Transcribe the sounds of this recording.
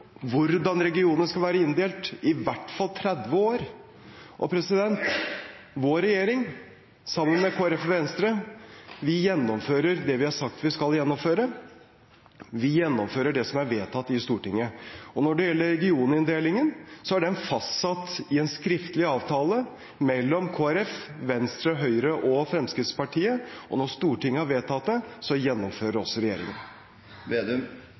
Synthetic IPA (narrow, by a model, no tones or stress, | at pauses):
ʋʊɾd̪ɑnɾɛɡɪuːnəʂskɑlʋæːɾəɪnd̪eːlt̪ɪʋæʈːfɑlt̪ʰɾɛd̪ʋəoːɾ | ʔɔ̰pʰɾɛsɪd̪ɛnt̪ | ʋoːɾɛjeːɾɪŋ | sɑmːənmɛkʰoːæɾɛfʋɛnst̪ɾəʋɪjɛnːɔmføːɾəɾd̪ɛʋɪhɑsɑk̚t̪ʋɪskɑljɛnːɔmføːɾə | ʋɪjɛnːɔmføːɾəɖɛsɔmæɾʋeːt̪ʰɑt̪ːɪst̪uːʈɪŋːəɔnɔɖɛjɛlːəɾɾɛɡɪuːnəɪnd̪eːlɪŋənsɔæɖɛɛnfɑst̪sɑt̪ːɪɛnskɾɪft̪əlɪɑːʋt̪ʰɑːlə | mɛlːɔmkʰoːæɾɛfʋɛnst̪ɾəɦœʏɾəʔɔfɾɛmskɾɪt̪spɑʈʰiːəɔ̰nɔst̪uːʈɪŋːəhɑɾʋeːt̪ʰɑt̪ːɛsɔjɛnːɔmføːɾəɖɔsːɔɾɛjeːɾɪ̰ŋə̰n | ʋ̪